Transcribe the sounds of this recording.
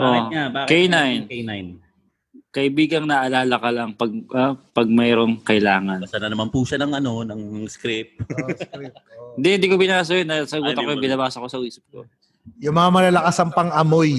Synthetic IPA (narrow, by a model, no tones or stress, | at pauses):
ʔoaakejnajnjn | kɐʔɪbiːɡɐŋnɐʔɐlaːlɐkɐlɐŋpɐɡ̚ʔapɐɡ̚mɛːɾo̞ŋkɐʔɪlaːŋɐnanɐnɐmanpuʃanɐŋʔɐno̞nɐŋɐŋskɾɪp̚ | ɪnd̪ɪɪnd̪ikobɪnaːs̬ɐjonːɐsɐɡuːtt̪ɐkojbɪnɐbaːsɐko̞sɐwiːsɐp̚ko̰ | jʊŋmɐŋamɐlalɐkasɐŋpɐŋʔɐmoj